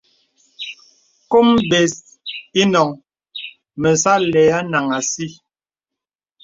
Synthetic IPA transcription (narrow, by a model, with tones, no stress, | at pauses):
ko˦mbe˨s | i˦nɔ˨ŋ | mə˨sa˦lɛ˨a˦na˨ŋa˨si˦